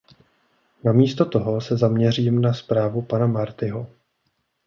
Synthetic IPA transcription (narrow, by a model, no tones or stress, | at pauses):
namiːst̪o̞t̪o̞ɦo̞sɛzamɲɛr̝iːmnaspɾaːvupanamaɾt̪ɪɦo